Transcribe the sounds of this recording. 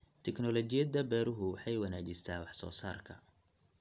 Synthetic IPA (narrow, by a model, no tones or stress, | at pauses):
t̪ʰɛknɔlɔt͡ʃɪjɐd̪ɐbɛːɾʊɦʊwɑħɑjwɐnaːt͡ʃɪst̪ʰaːwɑħsɔ̰ːsaːrkʰɐ